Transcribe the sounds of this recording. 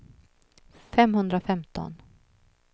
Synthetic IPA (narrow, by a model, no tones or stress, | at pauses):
fɛmhɵnd̪ɾafɛmt̪ɔ̰n